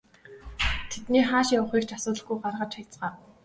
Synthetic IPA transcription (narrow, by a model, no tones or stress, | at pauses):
t̪ʰet̪niːχaːʃaʊχiːkt͡ɕasʊːt̪ɮə̆ɡujɢarʁə̆t͡ɕajʲt͡sɢaː